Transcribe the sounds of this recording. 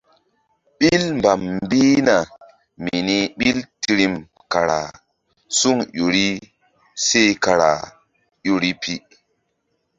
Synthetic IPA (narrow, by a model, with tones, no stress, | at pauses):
ɓi˦lmba˨mbi˦na˨ | mi˨ni˦ɓi˦lti˨ɾi˦m | ka˨ɾa̰˨ | su˦ŋɗo˨ɾi˦ | se˦jka˨ɾa̰˨ | jo˨ɾi˦pʰi˦